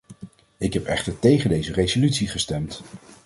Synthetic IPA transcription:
ɪkɦɛpɛχtəɹtejχəndejzərezolytsiχəstɛmt

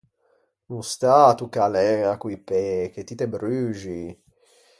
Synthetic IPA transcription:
nust̪at̪ukalɛakwipɛket̪ːit̪ebɾyːʒi

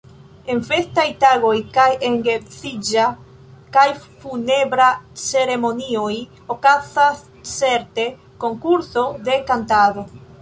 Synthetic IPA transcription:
e̞nfe̞stajtaɡo̞jkajeŋɡet͡sid͡ʒa | kajfune̞bɾat͡se̞ɾe̞mo̞nio̞j | o̞kazasː | e̞ɾte̞ | ko̞ŋkuɾso̞de̞kantado̞

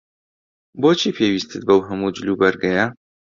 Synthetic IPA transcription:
boːt͡ʃʰiːpʰeːwiːst̪ʰɨt̪̚bɐwɦɐmud͡ʒɨlubɐɾɡɐjɐ

